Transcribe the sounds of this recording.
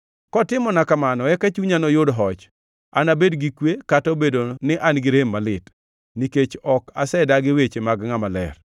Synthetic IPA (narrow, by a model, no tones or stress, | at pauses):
kɔtɪmɔnakamanɔɛkat͡ʃuɲanɔjʊdɦɔt͡ʃ | a̰nabedɡikwekatobedonɪʔanɡɪɾemːalɪt | niket͡ʃɔka̰sɛdaɡɪwet͡ʃemaɡŋamalɛ̰r